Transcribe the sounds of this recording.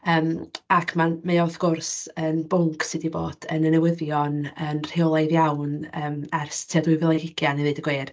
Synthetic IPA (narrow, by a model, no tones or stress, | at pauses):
əːmakʰmamejawθɡ̥ʊrsənbʊŋkʰsɪdiboːd̥ənənɛwɪðjɔnənr̥ɪwlˠejðjawnəːmɛrstʰiadwɨvɪlˠɛɡɪɡjaniðɨːdəɡweːr